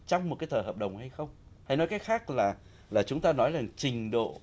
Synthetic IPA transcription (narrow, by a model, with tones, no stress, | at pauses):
t͡ɕɔ˧wŋ͡mm˨˩t̚kaː˨˦jt̪ʰəː˨˩həː˨˩p̚ɗə˨˩wŋ͡mha˧jxə˧wŋ͡mha˧jnɔ˨˦kaː˨˦jxaː˦˥k̚laː˨˩ | laː˨˩t͡ɕʊ˨˦ŋ͡mt̪aː˧nɔ˨˦jza˨˩ŋt͡ɕï˨˩ŋ̟ɗo̰˧˨